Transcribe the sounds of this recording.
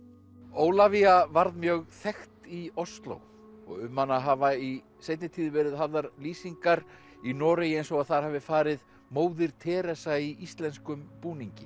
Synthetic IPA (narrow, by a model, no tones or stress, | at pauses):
oːwlaviavaɾðmjœːɣθɛxt̪iɔst̪lo̰w | ɔ̰ɣʏmːanaɦaːvai | sejt̪nɪt̪ʰiːðɪvɛːɾɪðɦavðaɾliːsiŋkaɾ | inɔːɾejejnsɔɣaðθaɾ̥haːvɪfaːɾɪð | moːwðɪɾ̥t̪ʰɛːɾɛsaiʔist̪lɛnskʏmpuːniɲcɪ